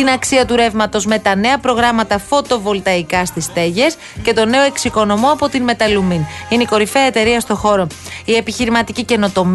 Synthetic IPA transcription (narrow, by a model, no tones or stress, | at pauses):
t̪inɐksiɐt̪uɾe̞vmɐt̪o̞zme̞t̪ɐne̞ɐpɾo̞ɣɾɐmɐt̪ɐfo̞t̪o̞vo̞lt̪ɐikɐst̪ist̪e̞ʝe̞s | ce̞t̪o̞ne̞oe̞ksiko̞no̞mo̞ɐpo̞t̪inme̞t̪ɐluminineiko̞ɾifeɐet̪e̞ɾiɐst̪o̞xo̞ɾo̞ | ie̞piçiɾimɐt̪icice̞no̞t̪o̞m